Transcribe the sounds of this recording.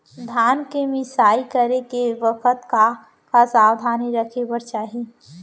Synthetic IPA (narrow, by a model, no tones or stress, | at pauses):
d̪ʱaːnkemɪsaːikəɾekeʋəkʰət̪ka | kasaːwd̪ʱaːniɾəkʰebəɾt͡ʃaːɦi